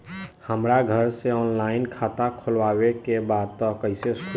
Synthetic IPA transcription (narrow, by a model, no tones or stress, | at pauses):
həmɾaɡʱəɾseɔːnlaːɪnkʰaːt̪akʰʊlwaːwekebaːd̪̚t̪ɔkəɪseskʰu